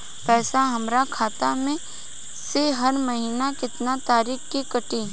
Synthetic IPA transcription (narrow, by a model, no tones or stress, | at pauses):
pɛːsaɦɐmɾakʰaːt̪amẽ | seɦɐɾmɐɦiːnakɪt̪nat̪aːɾiːxkikɐʈiː